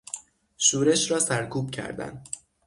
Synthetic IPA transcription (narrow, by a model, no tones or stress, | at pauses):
ʃuːɾe̞ʃɾɒːsæɾkʰuːb̚cʰæ̰ɾd̪æ̰nd̪